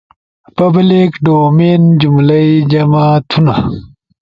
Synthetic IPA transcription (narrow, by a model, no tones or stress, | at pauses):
pɐblikɖoːmend͡ʑumlɐid͡ʑɐmat̪ʰuna